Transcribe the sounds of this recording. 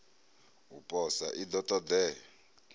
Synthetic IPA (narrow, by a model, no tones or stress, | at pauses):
upʼɔsaʔid̪ɔtʼɔd̪ɛ